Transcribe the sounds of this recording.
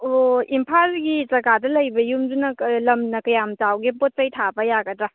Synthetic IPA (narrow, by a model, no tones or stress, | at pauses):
oimpʰalɡizɐɡadɐlɐjbɐjumdunɐklɐmnɐkɐjamtawɡepot̚sɐjtʰabɐjaɡɐdɾa